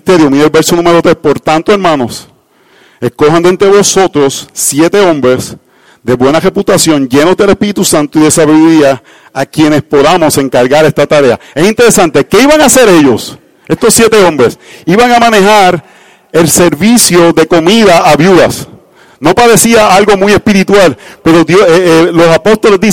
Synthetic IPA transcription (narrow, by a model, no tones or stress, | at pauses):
it̪e̞ɾjomiɾelβe̞ɾsonũme̞ɾo̞t̪ɾe̞spo̞ɾt̪ant̪oe̞ɾmãno̞s | e̞sko̞ɦand̪ent̪ɾe̞βo̞so̞t̪ɾo̞sːje̞t̪e̞õ̞mbɾe̞s | d̪e̞βwe̞nare̞put̪asjõ̞ɲd͡ʒe̞no̞zd̪ele̞spiɾit̪usant̪oiðe̞saβiðuɾiaː | kje̞ne̞spo̞ðamo̞se̞ŋkaɾɣaɾe̞st̪at̪aɾe̞ae̞sint̪e̞ɾe̞sant̪e̞ke̞iβaŋase̞ɾe̞ʝo̞s | e̞st̪o̞sːje̞t̪e̞õ̞mbɾe̞siβaŋamãne̞ɦaɾ | e̞lse̞ɾβisjo̞ðe̞ko̞miðaʔaβjuðas | no̞paɾe̞siaalɡo̞muije̞spiɾit̪walpe̞ɾo̞ðjoelo̞sapo̞st̪o̞le̞zd̪i